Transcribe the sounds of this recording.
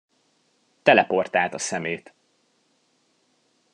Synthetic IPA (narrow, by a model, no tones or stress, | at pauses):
t̪ɛlɛpo̞rt̪aːt̪ɒsɛmeːt̪